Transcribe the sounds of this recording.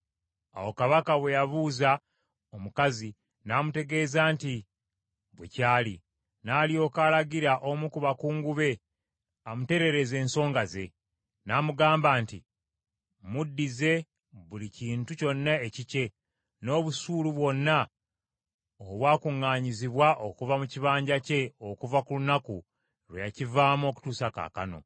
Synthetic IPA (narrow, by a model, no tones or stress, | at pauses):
a̰wo̞kaβakaβwe̞jaβuːza | omukazi | naːmute̞ɡe̞ːzaːnti | βwḛcaːli | naːlijo̞ːkaːlaɡiɾaʔomukuβakuːŋɡuβe̞ | amute̞ɾe̞ɾe̞ze̞ːnso̞ːŋɡaze̞̰ | naːmuɡaːmbaːntḭ | mudːize̞ | βuliciːntuco̞nːaecice̞ | no̞ːβusuːluβwo̞nːa | oβwaːkuŋːaːɲiziβwaʔo̞kuvamuciβaːɲɟace̞okuvakulunaku | ɾwejacivaːmo̞ːku̥tuːsaka̰ka̰no̞̰